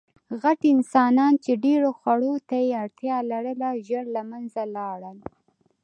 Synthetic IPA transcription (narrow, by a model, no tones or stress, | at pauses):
ɣaʈɪnsɑnɑnt͡ʃeɖeɾoxwaɽot̪ajeaɽt̪jɑlaɽəlaʒəɽlamanzalɑɽəl